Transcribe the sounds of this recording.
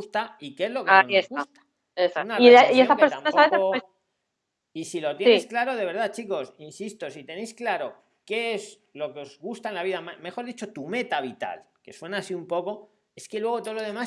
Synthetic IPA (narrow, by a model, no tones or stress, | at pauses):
ust̪aikeezlo̞kaiesɣuast̪ḁ | esaunaiaieotakpeɾst̪ampaspaβeθeos | isilo̞t̪jejsklaɾo̞ð̞e̞βe̞ɾð̞at͡ʃiko̞sinsist̪o̞sit̪e̞nejsklaɾo̞ | ke̞ez | lo̞keo̞zɣust̪aelaβ̞iðamme̞xo̞ɾðit͡ʃo̞t̪ume̞t̪aβ̞it̪a̰l | ke̞swe̞naːsiumpo̞ko̞ | e̞ske̞lwe̞ɣ̞o̞t̪oloðe̞ma